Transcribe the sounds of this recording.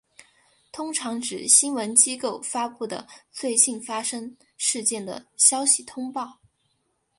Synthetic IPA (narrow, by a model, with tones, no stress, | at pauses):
t̪ʰʊ˥ŋʈ͡ʂʰɑ˧˥ŋʈ͡ʂɻ̩˨˩ɕi˥nwə˧˥nt͡ɕi˥ko˥˩ʊfa˥pu˥˩d̪ə̰˩t͡swe˥˧ɪɕi˥˩nfa˥ʂɤ˥ŋ | ʂɻ̩˥˧t͡ɕjɛ˥˩nd̪ə̰˩ɕjɑ˥ʊɕi˨˩t̪ʰʊ˥ŋpɑ˥˩ʊ